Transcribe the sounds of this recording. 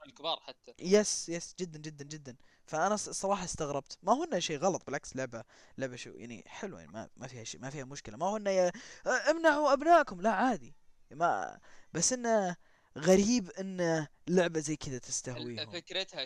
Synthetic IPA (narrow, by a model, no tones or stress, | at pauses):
lkbɑːɾˤħat̪ʰːajɛsjɛsd͡ʒɪd̪ːand͡ʒɪd̪ːand͡ʒɪd̪ːan | faʔanasˤːɑɾˤɑːħɑst̪aɣɾˤɑbt̪mahʊnːaʃiːɣɑlɑt̪ˤbɪlʕakslʊʕba | lʊʕbaʃḭja̰ʕnḭħɪlwja̰nḭma̰mafiːhaʃḭːmafiːhamʊʃkɪlamahʊnːaʔjaʔɪmnaʕuʔabnaːʔkʊmlaʕaːd̪i | ma̰basːʔɪnːa | ɣaɾiːbʔɪnːlʊʕbazajːkʰɪd̪at̪ɪst̪aɦwwiːhʊmfɪkɾɪt̪ha